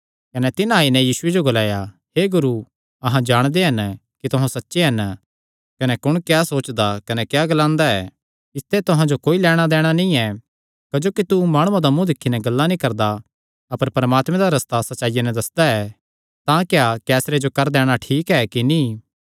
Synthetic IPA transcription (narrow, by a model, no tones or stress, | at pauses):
kɐnɛt̪ɪnaːinɛ̃jiːsʊed͡ʒoɡolaːja | heɡʊɾu | ɐɦãd͡ʒaːɽ̃d̪eɦɐnkit̪ʊɦãsɐtːʃeɦɐn | kɐnɛkʊɽ̃kjaːsoːt͡ʃd̪akɐnɛkjaɡɐlãːnd̪aɛ̰ː | ɪst̪ɛt̪ʊɦãd͡ʒokoːilɛːɽ̃ad̪ɛːɽ̃anĩɛ | kɐd͡ʒoːkit̪umaːɽ̃ʊ̃ãd̪amũd̪ɪkʰːinɛɡɐlːanĩkɐɾd̪a | ɐpəɾpɐɾəmaːt̪mɛ̃d̪aɾɐst̪asɐtːʃaːijanɛ̃d̪ɐsd̪aɛ | t̪ãkjakɛːsɾed͡ʒokɐɾd̪ɛːɽ̃aʈʰiːkɛkinĩː